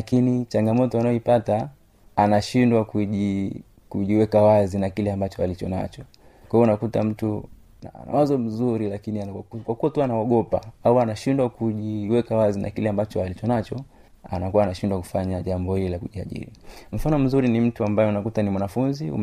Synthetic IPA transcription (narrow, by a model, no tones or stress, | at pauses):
lakinit͡ʃaŋɡamɔtɔanaɔipata | anaʃindwakuʄi | kuʄiwɛkawazinakilɛambat͡ʃɔalit͡ʃɔna̰t͡ʃɔ | kwaiɔunakuta̰m̩tu | naa̰na̰wazɔm̩zuɾilakiniakwakuatuanaɔɠɔpa̰auanaʃindwakuʄiwɛkawazina̰kilɛambat͡ʃɔalit͡ʃɔnat͡ʃɔ | a̰nakuwaːnaʃindwaku̥faɲaʄambɔhililakuʄia̰ʄḭɾim̩fanɔm̩zuɾinim̩tuambajɛunakutanimwanafunziṵm